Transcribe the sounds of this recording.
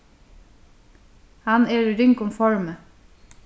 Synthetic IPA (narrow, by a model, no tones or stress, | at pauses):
hɑneːɾɾʏŋkʊmfɔɹmə